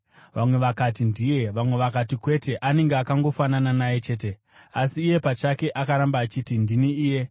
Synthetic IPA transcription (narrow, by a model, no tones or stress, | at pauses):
ʋamwe̞ʋakatindije̞ʋamwe̞ʋakatikwe̞te̞ʔane̞ŋɡeakaŋɡo̞fanananajet͡ʃe̞ːt̬e̞ | asiːje̞pat͡ʃake̞ʔakaɾambaːt͡ʃitindiniiːje̞